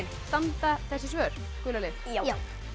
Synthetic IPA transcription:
nst̪ant̪aθɛsːɪs̬vœːɾ̥ | kʏlalɪf

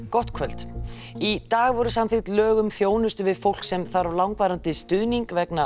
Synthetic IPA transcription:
kɔht̪kʰvœl̥t̪ | it̪aːɣvɔɾʏsamθɪt̪lœːɣʏmθjoːwnʏst̪ʏvɪðfowl̥ksɛmθaɾawlawŋkvaːɾant̪ɪst̪ʏðniŋkvɛkna

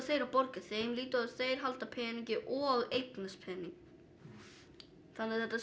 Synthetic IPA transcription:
θeːjɾawpɔɾcɪθeːjmliːt̪ʏaðθejɾ̥ɦalt̪apʰɛːɛniɲcɪʔɔːɣejt̪naspʰɛːniŋ | fanɪðθɛht̪as

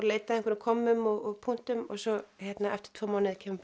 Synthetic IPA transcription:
ɾleːjt̪aðɪŋkʰɪnɪkʰɔmːʏmɔɣɔɣpʰun̥t̪ʏmɔ̰ɣsɔçjɛt̪naɛft̪ɪ̥t̪ʰvoːmaːwnɪðcʰɛːmʏm

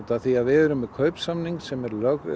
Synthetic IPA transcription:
t̪aθiaðvɛɾʏmɛkʰœɥpsamniŋksɛmɛɾlœɣɪ̰

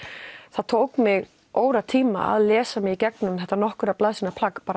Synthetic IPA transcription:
θaðt̪ʰoːwkmɪɣ | oːwɾat̪ʰiːma̰a̰ðlɛːsamɪɣicɛk̚nʏmθɛht̪anɔhkʏɾaplaðsinapʰlakpaːɾa

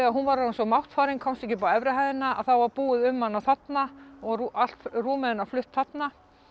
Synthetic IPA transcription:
aɦunvaɾaɪnsɔmawht̪faːɾɪŋkʰɔwmst̪ɛhcɪpaɛvɾɪɦajðɪnaa̰ðθawvaɾpuːɪðʏmːanːaθat̪naɔɣal̥t̪ruːmɛðɪnaflʏht̪θat̪na

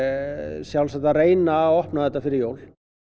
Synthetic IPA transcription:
sjawlsat̪areːjnaɔhpnaðɛt̪ːafɪɾɪɾjoːwl

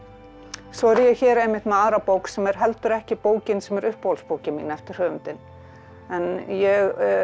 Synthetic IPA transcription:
svɔɛɾjɛɣçɛːɾɛjmːɪht̪nmaaːɾapoːwksɛmɛɾ̥ɦɛlt̪ʏɾɛhcɪpoːwcɪnsɛmɛɾʏhpowlspoːwcɪmiːnaɛft̪ɪɾ̥hœːvʏnt̪ɪn | ɛnjɛɣ

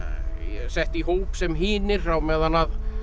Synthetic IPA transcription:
jɛsɛht̪iɦoːpsɛmɦiːnɪɾ̥θawmɛːðanað

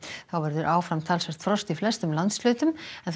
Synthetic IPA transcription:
θawvɛɾðʏɾʔaːwfɾamt̪ʰaːlsɛɾ̥t̪fɾɔst̪iflɛst̪ʏmlant̪slʏːt̪ʏmɛnθ

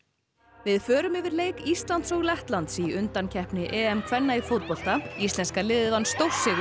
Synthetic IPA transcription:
vɪðfœːɾʏmɪvɪɾleːjkist̪lant̪sɔɣlɛht̪lant̪siʏnt̪ancʰɛhpnɪʔɛːɛmkʰvɛnːaifowt̪̚pɔl̥t̪aist̪lɛnskalɪːðvanst̪owr̥sɪɣ

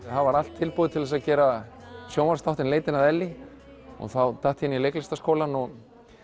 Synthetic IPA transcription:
havaɾal̥t̪ʰːɪlpoːðɪt̪ʰɪlɛs̬aðcɛːɾa | sjowmaɾ̥st̪awt̪ɪnleːjt̪ɪnaðɛlːɪ | ɔ̰ɣθawt̪ʰaht̪hɪnːilejklɪst̪askoːwlanɔɣ

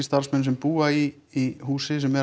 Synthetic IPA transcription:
st̪aɾ̥smɛnsɛmpuːaiː | ɦuːsɪsɛmːɛ

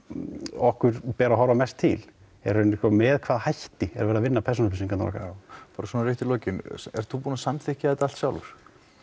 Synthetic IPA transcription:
ɔhkʏɾ̥pɛːɾaɦɔɾamɛst̪ʰːɪl | ɛ̰ɾ̥ʏnkɔmɛːðkʰvaːðhajht̪ɪɛɾvɛːɾðavɪnːapʰɛɾs̬ɔnpɪsiŋkʰanɾɔ̰kapaɾaswɔnaɾɪht̪ɪlɔːcɪnɛ̰ɾ̥θupuːnasamθɪhcɪaɛt̪aalt̪sjawlvʏ̰ɾ̥

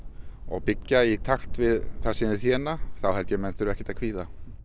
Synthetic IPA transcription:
ɔ̰ɣpɪcːait̪ʰaxt̪vɪðθasɪnɪθjɛːnaθawɦɛlt̪jɛmɛnt̪ʏɾɛhcːɛ̥ɾt̪akʰviːða

